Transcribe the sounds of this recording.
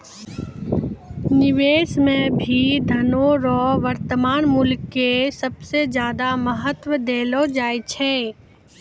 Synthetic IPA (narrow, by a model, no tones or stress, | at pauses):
nɪʋeːsmẽbʱid̪ʱɐnoɾɔːʋɐɾt̪əmaːnmʊlkːesɐbsezjaːd̪aməɦət̪wəd̪eːlod͡ʒaːet͡ʃʰɛː